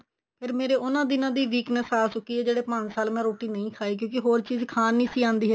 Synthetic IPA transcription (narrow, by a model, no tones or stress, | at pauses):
pʰeɾmeːɾeːʔʊnãːd̪ɪnãːd̪iːʋiːknəsaːsʊkiːɦɛːd͡ʒeːɽeːpəsaːlmɛ̃ːɾoːʈiːnəĩːkʰaːiːk̬jõːk̬ɪɦoːɾt͡ʃiːzkʰaːnĩːsiːãːnd̪iːɦɛ